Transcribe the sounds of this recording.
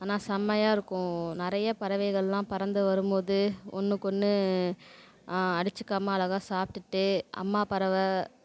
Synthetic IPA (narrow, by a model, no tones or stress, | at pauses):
aːnaːsɐmːɐjaːɪɾɯkːʊ̃nɪɾɐjɐpɐɾɐʋɐɪɣɐɭɐlãːpɐɾɐnd̪ɯʋɐɾɯmpoːðɯɔ̰nːɯkɔnːɯ | ɐɽɯt͡ʃːɯkːɐmːaːlɐɣaːsaːp̚ʈ̪ɯʈːɯɐ̰mːaːpɐɾɐʋɐ